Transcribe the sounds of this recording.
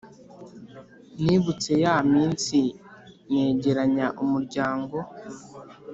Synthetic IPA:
niːβut͡se̞jaamiːnsiŋe̞ːɟe̞ɾaɲaʔumuɾɟaːŋɡo̞

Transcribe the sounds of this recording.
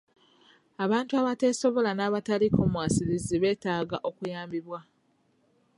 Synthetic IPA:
aβaːntuaβate̞so̞βo̞lanaːβataliko̞mwaːsiliziβe̞ːtaːɡaʔo̞kujaːmbiβwa

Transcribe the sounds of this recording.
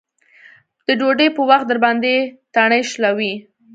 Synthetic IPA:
d̪̥əɖoɖəjpəwaxt̪d̪əɾbɑnd̪et̪aɳəjʃlawi

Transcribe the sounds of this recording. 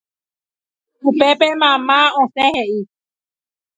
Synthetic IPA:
hupepemãmãõsẽheʔi

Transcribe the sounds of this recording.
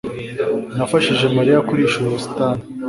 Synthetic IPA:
nafaʃiʒe̞maɾijakuɾiʃuɾustani

